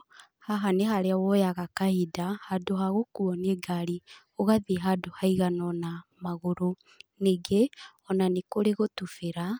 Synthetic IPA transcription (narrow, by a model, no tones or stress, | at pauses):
haɦaneɦaɾeawɔjaɣakahidahadoɦaɣokuɔneɡaɾi | oɣaðiɦadohaiɣanɔnamaɣoɾo | neɡe | ɔnanekoɾeɣotufeɾa